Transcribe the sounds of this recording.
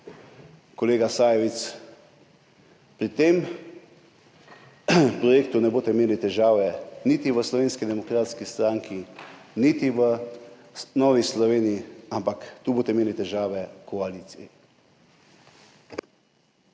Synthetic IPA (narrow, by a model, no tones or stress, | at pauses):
kɔleːɡasaːjɛʋit̪s | pɾit̪em | pɾɔjeːk̚t̪unɛboːt̪ɛmeːlit̪ɛʒaːʋɛnit̪iʋəslɔʋeːnskid̪ɛmɔkɾaːt̪skist̪ɾaːŋkʰinit̪iʋə | nɔːʋislɔʋeːnijiampakt̪uːboːt̪ɛmeːlit̪ɛʒaːʋɛkʰɔaliːt̪sijɛ